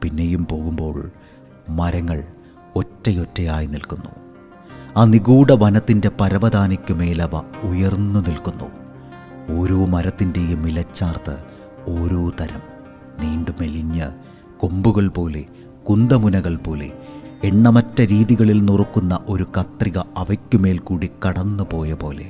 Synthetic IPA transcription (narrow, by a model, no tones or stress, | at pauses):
pinːe̞jumpo̞ːɣumbo̞ːɭ | mɐɾɐŋːɐɭ | o̞tːɐjotːɐjaːjinilkunːṵ | aːniɣuːɽɐʋɐnɐt̪ːinde̞pɐɾɐbɐd̪ʱaːnikʲːume̞ːlɐʋɐujɐrnːunilkunːṵ | o̞ːɾoːmɐɾɐt̪ːinde̞jumːilɐt͡ɕːaːrt̪ɨ̰ | o̞ːɾoːt̪ɐɾɐm | niːɳɖume̞liɲːɐ̰ | kombuɣɐɭpo̞ːle̞̰ | kund̪ɐmunɐɣɐɭpo̞ːlḛeɳːɐmɐtːɐɾiːðiɣɐɭilnurkːunːɐʔo̞ɾukɐt̪riɣɐɐʋɐkʲːume̞ːlkuːɽikɐɽɐnːupo̞ːjɐpo̞ːle̞̰